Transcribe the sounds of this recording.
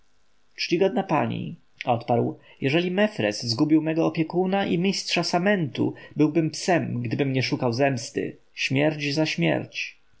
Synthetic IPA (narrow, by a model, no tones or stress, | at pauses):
tt͡ʂt͡ɕiɡɔd̪̚napaɲḭ | ɔt̪paɾw | jɛʐɛlʲimɛfɾɛ̰szɡubʲiwmɛɡɔɔpʲjɛkunaʔimʲistʂasamɛnt̪ṵbɘwbɘmpsɛmɡd̪ɘbɘmɲɛʂukawzɛmst̪ɘ̰ | ɕmʲjɛɾd͡ʑzaɕmʲjɛ̰ɾt͡ɕ